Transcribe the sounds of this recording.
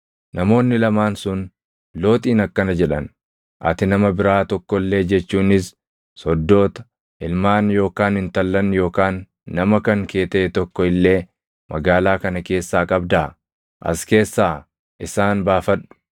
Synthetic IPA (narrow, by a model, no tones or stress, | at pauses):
nɐmo̞ːnːɪlɐmaːnsʊn | lo̞ːt̪ʼiːnɐkːɐnɐd͡ʒɛᶑɐn | ʔɐ̰t̪ɪnɐmɐbɪɾaːt̪ɔkːɔlːe̞ːd͡ʒɛt͡ʃːuːnɪs | sɔd̪ːo̞ːt̪ɐ̥ | ʔɪlmaːnjo̞ːkaːnɪnt̪ɐlːɐnjo̞ːkaːnː | ɐmɐkɐŋke̞ːt̪ɛʔɛt̪ɔkːɔɪlːe̞ː | mʔɐɡaːlaːkɐnɐke̞ːsːaːkʼɐbd̪aː | ʔɐ̰ske̞ːsːaː | ʔɪsaːnbaːfɐᶑʊ̥